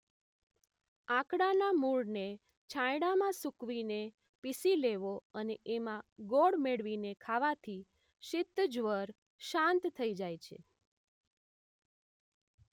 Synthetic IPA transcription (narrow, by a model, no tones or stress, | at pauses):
ãkɽanamuɭne | t͡ʃʰãjɽamãsukʋine | pisileʋoəneʔemãɡoɽmeɽʋinekʰaʋat̪ʰi | ʃɪt̪ːd͡ʒʋəɾ | ʃãnt̪t̪ʰːəid͡ʒajt͡ʃʰḛ